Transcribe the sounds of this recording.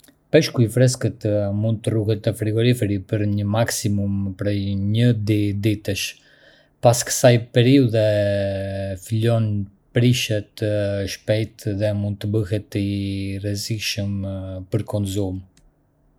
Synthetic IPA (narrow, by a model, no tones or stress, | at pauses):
pɛʃkuifɾɛskət̪mund̪̚t̪əruɦɛt̪ːəfɾiɡɔɾifɛɾipəɾɲəmaksimumpɾɛjɲəd̪id̪it̪əʃ | paskə̥sajpɛɾiuðɛ | filɔn | pɾiʃɛt̪ʃpɛjt̪ðɛmund̪̚t̪əbəɦɛt̪irɛzikʃəmpəɾkɔnzum